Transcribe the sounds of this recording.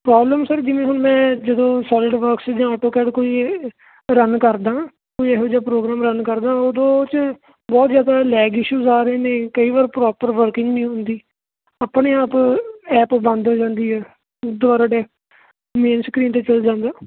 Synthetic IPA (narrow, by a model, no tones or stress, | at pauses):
pɾɔːbləmsəɾd͡ʒɪʋẽːɦʊnmɛ̃ːd͡ʒəd̪õːsɔːlɪɖʋəɾksd͡ʒãːaːʈoːkɛːɖkoːiː | ɾənkəɾd̪ãː | koːiɛːɦoːd͡ʒaːpɾoːɡɾaːmɾənkəɾd̪ãːod̪õːt͡ʃ | bɔːt̪zjaːd̪aːlɛːɡɪʃuːzaːɾəɦeːneːkəiːʋaːɾpɾɔːpəɾʋəɾkɪ̃ŋɡnĩːɦʊnd̪iː | əːpɳeːaːpɛːpbə̃nd̪oːd͡ʒãːnd̪iːɦɛː | d̪ʊʋaːɾaːɖeː | meːnskɾiːnt̪eːt͡ʃəld͡ʒãːnd̪aː